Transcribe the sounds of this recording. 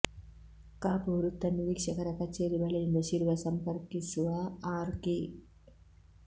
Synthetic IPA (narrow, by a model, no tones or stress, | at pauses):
kaːpuːɾut̪ːɐnːiʋiːkʂɐkɐɾɐkɐt͡ʃeːɾibɐɭend̪ɐʃiːɾʋɐsɐmpɐɾkisuʋaaːɾki